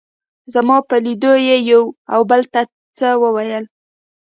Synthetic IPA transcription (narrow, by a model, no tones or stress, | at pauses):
zamɑpəlid̪ojejawawbəlt̪a | t͡səwəwajəl